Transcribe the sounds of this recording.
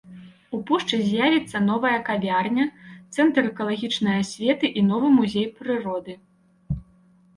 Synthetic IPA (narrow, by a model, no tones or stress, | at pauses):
upuʂt͡ʂɨzʲjavʲit̪sːɐnɔvɐjɐkavʲarnʲɐt̪sɛnt̪ɾɛkɐlˠaɣʲit͡ʂnɨjɐsʲvʲɛt̪ɨʔinɔvɨmuzʲejpɾɨɾɔd̪ɨ